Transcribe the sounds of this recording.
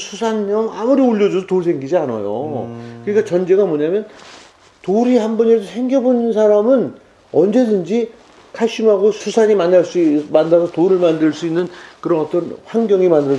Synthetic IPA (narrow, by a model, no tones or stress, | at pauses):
sʰusʰanɲʌŋamuɾioʎːʌd͡ʑusʰʌtoɭsʰeŋɡid͡ʑiana̰jo̰kɯɲik͈at͡ɕʌnd͡ʑe̞ɡamʌɲamjʌn | toɾihanbʌɲiesʰosʰe̞ŋɡjʌbonɯnsʰaɾamɯn | ʌnd͡ʑe̞dɯnd͡ʑi | kʰaɭɕ͈imɦaɡosʰusʰaɲimanːaɭs͈uimanːasʰʌtoɾɯɭmandɯɭs͈uinːɯnkɯɾʌnʌt͈ʌnɸwaŋɡjʌŋimandɯɾʌ